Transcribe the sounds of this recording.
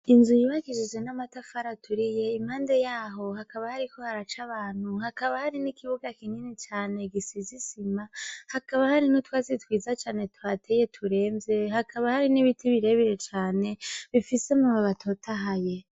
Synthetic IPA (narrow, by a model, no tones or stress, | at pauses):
inzujiβakiʒid͡ʒɡenamatafaɾatuɾije̞imhaːnde̞jaːɦo̞hakaβahaɾiko̞haɾat͡ʃaβaːn̥huhakaβahaɾinikiβuɡakiɲinet͡ʃaːne̞ɡisizisimahakaβahaɾinotwaːzitwiːzat͡ʃaːne̞tuatʰe̞ːje̞tʰuɾe̞ːmbe̞hakʰaβahaɾiniβitʰiβiɾe̞βiɾe̞t͡ʃaːne̞βifise̞muβaβatʰotʰaɦaje̞